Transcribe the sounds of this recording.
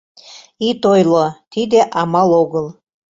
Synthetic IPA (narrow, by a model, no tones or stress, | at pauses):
it̪ojlot̪id̪eʔɑmɑloɣɤlˠ